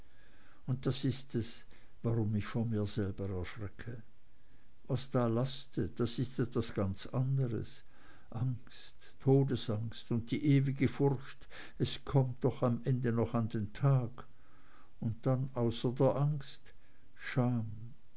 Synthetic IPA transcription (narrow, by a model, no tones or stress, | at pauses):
ʊnt̚d̥asɪstɛs | vaʁʊmɪçfɔnmiːɐzɛlbəɛɐʃʁ̥ɛkʰə | vasd̥aːlastəd̥asɪstɛtv̥asɡ̥ant͡sandəʁə̰s | ʔaŋstʰːoːdəsaŋstʊnt̚d̥iːʔeːvɪɡəfʊʁçt | ɛskʰɔmt̚d̥ɔχamʔɛndənɔχandeːntʰaːɡ | ʊnt̚d̥anʔaʊsɐdeːɐʔaŋst | ʃaːm